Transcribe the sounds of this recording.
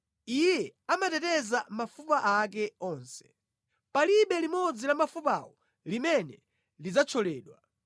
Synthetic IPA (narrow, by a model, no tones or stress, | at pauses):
ijɛamatɛtɛzamafupaʔak̬ɛɔːnsɛ̥ | paliɓɛlimɔd͡zilamafupawɔ | limɛnɛ | lid͡zat͡ʃʰɔlɛːɗwa